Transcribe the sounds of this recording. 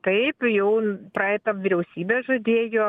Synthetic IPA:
t̪ɐɪpjɛʊpɾɐɛɪt̪ɐʋʲɪɾʲɛʊsʲiːbʲeːʒɐd̪ʲeːjoː

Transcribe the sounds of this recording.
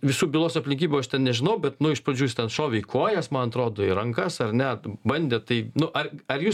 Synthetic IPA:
ʋʲɪsuːbʲɪlˠoːsʲɐpʲlʲɪ̃ŋʲkʲiːbʲuːɐʃtʲɛnnʲɛʒʲɪnɐʊbʲɛt̪nʊɪʃpɾɐd͡ʒʲuːst̪ʲɛnʃoːʋʲɪkʰuɔjɛsmɐnɐt̪ɾoːd̪oːɪɾɐŋkɐsɐrnʲɛbɐnʲd̪ʲeːt̪ɐɪnʊʔɐrɐɾjuːs

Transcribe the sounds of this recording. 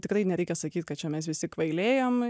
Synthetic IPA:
t̪ʲɪkrɐɪnʲɛɾʲɛɪkʲɛsɐkʲiːt̪ʲkɐt̪̚t͡ʃʲɛmʲɛsʋʲɪsʲɪkʋɐɪlʲeːjoːm

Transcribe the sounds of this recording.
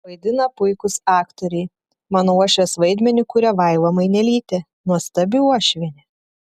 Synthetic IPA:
ʋɐɪd̪ʲɪnɐpʊɪkʊsɑːkt̪oɾʲɛɪ | mɑːnouɔʃʲʋʲɛsʋɐɪd̪ʲmʲɛnʲʊkʊɾʲɛʋɐɪlˠɐmɐɪnʲɛlʲiːt̪ʲɛ | nuɔst̪ɐbʲɪuɔʃʲʋʲɛnʲɛ

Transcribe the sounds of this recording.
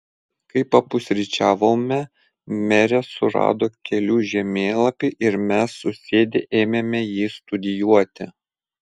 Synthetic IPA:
kɐɪpɐpʊsʲɾʲɪt͡ʃʲæːʋoːmʲɛ | mʲɛɾʲɛsʊɾɑ̰ːd̪oːkʲɛlʲuːʒʲɛmʲeːlˠɐpʲiːʔɪɾmʲɛsːʊsʲeːd̪ʲeʔeːmʲemʲɛjiːst̪ʊd̪ʲɪjuɔt̪ʲɪ̰

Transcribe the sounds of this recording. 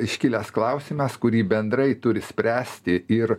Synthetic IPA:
ɪʃʲkʲɪlʲɛsklˠɐʊsʲɪmʲɐskʊɾʲiːbʲɛnd̪ɾɐɪt̪ʊɾʲɪsʲpʲɾʲæːsʲt̪ʲɪɪɾ

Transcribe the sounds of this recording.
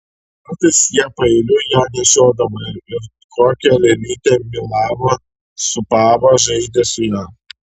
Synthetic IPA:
kɑːt̪ɐɪsjiɛpɐɛlʲʊjæːnʲɛʃʲoːd̪ɐʋɐɪɾ | koːkʲɛlʲɛlʲiːt̪ʲemʲɪlˠɑːʋɐ | sʊpɑːʋɐʒɐɪd̪ʲesʊjæː

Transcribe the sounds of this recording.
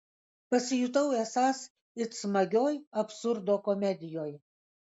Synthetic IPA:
pɐsʲɪjʊt̪̬ɐʊesɑːs | ɪsmɐɡʲoːjɐpsʊɾd̪oːkɔmʲɛd̪ʲɪjoːj

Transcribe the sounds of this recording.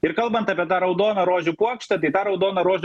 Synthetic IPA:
ɪɾkɐlˠbɐnt̪ɐːpʲiɛt̪ɑːɾɐʊd̪oːnɐɾoːʒʲʊpuɔkʃt̪ɐt̪ɐɪt̪ɑːɾɐʊd̪oːnɐɾoːʒʲ

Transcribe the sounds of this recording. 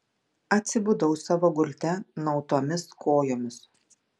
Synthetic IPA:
ɐt̪ʲsʲɪbʊd̪ɒʊsɑːʋoːɡʊlʲt̪ʲɛnɒʊt̪oːmʲɪskʰoːjoːmʲɪs

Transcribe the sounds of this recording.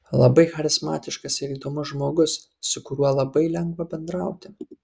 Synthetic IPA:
lˠɐbɐɪxɐɾʲɪzmɑːt̪ʲɪʃkɐsɪɾiːd̪oːmʊʒmoːɡʊs | sʊkʊɾʲuɔlˠɐbɐɪlʲɛŋɡʋɐbʲɛnd̪ɾɐˑʊt̪ʲɪ

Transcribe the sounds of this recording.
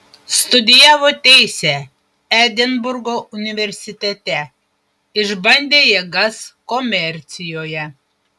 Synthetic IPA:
st̪ʊd̪ʲɪjæːʋoːt̪ʲɛɪsʲɛ | æd̪ʲɛnbʊɾɡoːʊnʲɪʋʲɛɾʲsʲɪt̪ʲɛt̪ʲɛ | ɪʒbɐnʲd̪ʲeːjeːɡɐskɔmʲɛɾʲt̪sʲɪjoːjɛ

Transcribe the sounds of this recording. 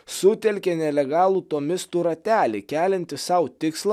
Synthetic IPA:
sʊt̪ʲɛlʲkʲenʲɛlʲɛɡɑːlˠuːt̪omʲɪst̪uːɾɐt̪ʲæːlʲeːkʲæːlʲɛnʲt̪ʲɪsɐʊt̪ʲɪkslˠɑ

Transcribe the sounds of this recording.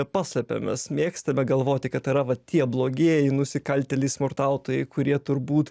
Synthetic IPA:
pɑːsʲlʲɛpʲḛmʲɛsmʲeːkst̪ɐmʲɛɡɐlˠʋoːt̪ʲɪkɐt̪ɪɾɐʋɐt̪ʲiɛblˠoːɡʲeːjɛɪnʊsʲɪkɐlʲt̪ʲɛlʲɪsmʊrt̪ɐʊt̪oːjɛɪkʊɾʲiɛt̪ʊɾbuːt̪

